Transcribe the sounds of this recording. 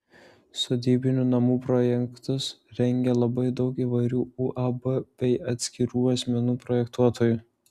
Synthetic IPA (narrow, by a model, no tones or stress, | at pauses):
sɔd̪ʲiːbʲɪnʲunɐmuːpɾoːjɛŋkt̪ʊsɾʲɛŋʲɡʲɛlˠɐbɐɪd̪ɒʊkiːʋɐɪɾʲuːuːʔɐbɐbʲɛɪɐt̪ʲsʲkʲɪɾuːɐsʲmʲɛnuːpɾɔːjɛkt̪uɔt̪ʰoːjuːˑ